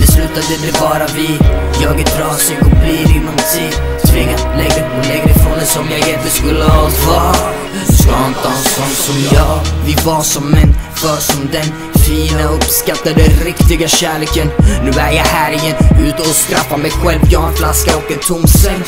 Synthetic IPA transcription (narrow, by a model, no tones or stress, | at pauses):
bɛslʉ̟ːt̪ad̪əd̪ɛbɑːɾavɪjɑːɡət̪ɾɑːsɪɡɔk̚bliːɾɪnːɔmt̪ʰiːd̪ | t̪ʰvɪŋːalɛɡɾlɛɡɾɛfɾɔnd̪ɛsɔmjaɡɪnt̪əskɵlːəavɑ | skahant̪ʰɑːnɔsɔnt̪sɔmjɑːvɪvaʂɔmːɛnfœːʂɔmd̪ɛn | fiːnaɵpskat̪ːad̪ɛɾɪkt̪ɪɡaɕæːɭeːkənnːʉ̟ːæːjahæːɾɪjɛnːʉ̟ːt̪ɔsk̪ɾafːamɛjɧɛlvjɑɛnflaskaɔkɛnt̪ʰʊmsɛŋ